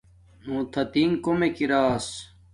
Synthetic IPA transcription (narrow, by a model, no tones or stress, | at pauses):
nũːt̪ʰɐt̪iŋkomekiɾaːs